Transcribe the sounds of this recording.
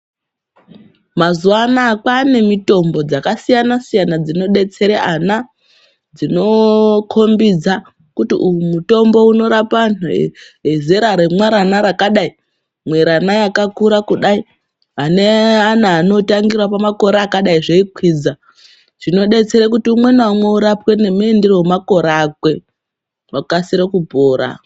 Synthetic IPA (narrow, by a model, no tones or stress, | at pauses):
mazuanaːkwane̞mito̞mbo̞d͡zakasijanasijanad͡zino̞ɗe̞t͡se̞ɾeʔana | d͡zino̞kʰo̞mbid͡za | kutiujumuto̞mbo̞uno̞ɾapanṵ | eze̞ɾaɾe̞mwaɾanaɾakaɗai | mwe̞ɾanajakakuɾakuɗai | ɦaneanaːno̞taŋɡirwapamako̞ɾaːkaɗaiʐeikwiːd͡za | ʐ̥ino̞ɗe̞t͡se̞ɾek̬utiumwe̞nwamweuɾapwe̞ne̞muenderowemako̞ɾakwe̞ | wakasiɾekubʱo̞ːɾa̰